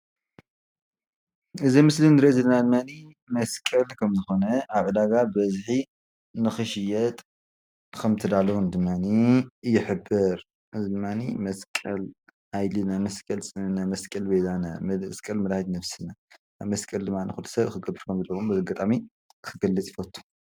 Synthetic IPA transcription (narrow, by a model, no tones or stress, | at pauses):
ʔɨzimɨslinɾezɨlɐnad̪ɨmːani | mɐskʼɐlkʰɐmzɨxo̞nɐaβʕɨd̪aɡabbɐzħi | nɨxɨʃɪjɛt̪ʼ | kʰɐmt̪ʰɐd̪alɐwund̪ɨmːanijɪħɨbːɨɾ | ʔɨzid̪ɨmːanḭmɐskʼɐl | ajlinamɐskʼɐlsʼɨnamɐskʼɐlbed̪ʰana̰mskʼɐlmɐdhad̪nɐfsɨnanamɐskʼɐld̪ɨmːanixut̪ʰɐ̥sɐβxɨɡɐbɨɾkʰɐmzɐlːɐwumbzɐɡɐt̪ʼami | kʰɨɡɐlːɐt͡sʼjifɐt̪ʰʼːu̥